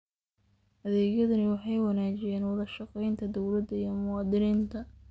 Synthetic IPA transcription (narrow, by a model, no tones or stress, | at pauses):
ʔɐðɛːɣjɐðɐnɪwɑħɑjwɑnaːt͡ʃɪjɛːnwɑðɐʃɑqɛjnt̪ʰɐd̪ɔwlɐd̪ɐijɔmʊwɑːd̪ɪniːnt̪ʰɐ